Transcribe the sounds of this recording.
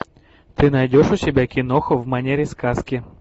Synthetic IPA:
t̪ɪnɐjdʲɔʃʊsʲɛbʲɛkʲɪnɔxʊwmɐnʲɛɾʲiskaskʲɪ

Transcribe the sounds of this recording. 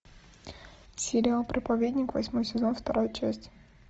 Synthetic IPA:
sʲɪɾʲɪalˠpɾəpɐvʲed̪ʲnʲɪkvɐsʲmo̞jsʲɪzo̞nft̪ɐɾojt͡ɕæsʲtʲ

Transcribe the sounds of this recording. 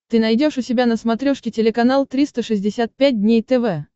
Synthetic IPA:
t̪ɨnɐjdʲoʂʊsʲɪbʲanəsmɐt̪ɾʲoʂkʲɪtʲɪlʲɪkɐnalˠt̪ɾʲist̪əʂɨzʲdʲɪsʲat̪̚pʲæt̚ʲdʲnʲejt̪ɛvɛ

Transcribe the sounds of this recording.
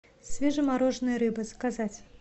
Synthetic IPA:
sʲvʲɛʐɨmaɾɔʐnɨjɐɾɨbɨskazat͡sʲ

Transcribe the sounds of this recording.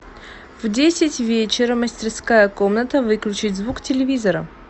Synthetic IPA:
vdʲesʲɪtʲvʲet͡ɕɪɾəməsʲtʲɪrskajəkomnət̪əvɨklʲʉt͡ɕɪtʲzvuktʲɪlʲɪvʲizəɾə

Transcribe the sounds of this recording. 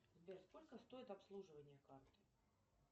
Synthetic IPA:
zbʲerskolʲkəst̪o̞ɪt̪apslˠuʐɨvənʲɪjəkart̪ɨ

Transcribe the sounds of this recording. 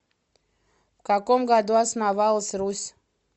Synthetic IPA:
vkakomɡad̪uasnavalˠəsʲrusʲ

